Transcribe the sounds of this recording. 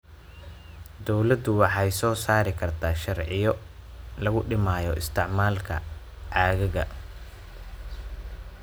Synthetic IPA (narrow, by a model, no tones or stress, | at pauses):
d̪ɔwlɐd̪ʊwɑħɑjsɔːsaːɾɪkʰɐrt̪ʰaːʃɐrʕɪjɔ | lɐɣʊɖɪmaːjɔʔɪst̪ʰɪʕmaːlkʰɐ̰ | ʕɑːɣɛɣɐ̰